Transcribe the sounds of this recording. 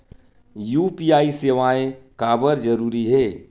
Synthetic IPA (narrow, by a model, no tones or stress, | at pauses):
juːpijaːiseːʋaẽkaːbəɾd͡ʒəɾuːɾiɦeː